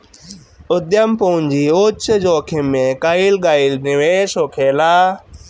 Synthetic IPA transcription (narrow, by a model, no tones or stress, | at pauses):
ʊd̪jəmpoʊɲd͡ʑiːoːt͡ʃd͡ʑoːkʰɪmːẽkaːiːlɡaːiːlnɪʋeːsoːkʰeːlaː